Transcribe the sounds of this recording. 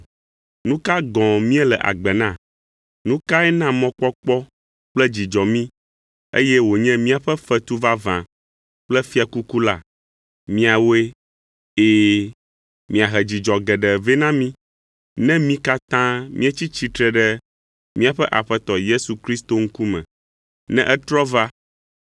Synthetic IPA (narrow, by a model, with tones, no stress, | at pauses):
nũ˦ka˦ɡɔ̃˨mĩ˦ɛ˦lɛ˨ʔa̰˨ɡ͡bɛ˨nã˦˨ | nũ˦ka˦ɛ˦nã˦mɔ̃˦k͡pɔ˦k͡pɔ˦ | k͡plɛ˦d͡ʑi˨d͡ʒɔ˨mĩ˦ | ḛ˦jɛ˦wo˨ɲɛ̃˦mĩ˦a˨ɸɛ˦fɛ˦t̪u˦va˦vã̰˨ | k͡plɛ˦fi˦a˨ku˦ku˦la˨ | mĩ˦a˨wo˦e˦ | eː˦˨ | mĩ˨a˨ɦɛ˨d͡ʑi˨d͡ʒɔ˨ɡɛ˨ɖɛ˨vɛ˦nã˦mĩ˦ | nɛ̃˦mĩ˦ka˦t̪ã˦mʔḭ̃˦e˦t͡ɕi˦t͡ɕi˦t̪ɾɛ˨ɖɛ˦ | mĩ˦a˨ɸɛ˦ʔa˨ɸɛ˦t̪ɔ˨je˦su˨kɾi˦st̪o˦ŋ̩˦ku˦mɛ̰̃˨ | nɛ̰̃˦ʔɛ˦t̪ɾɔ˦va˦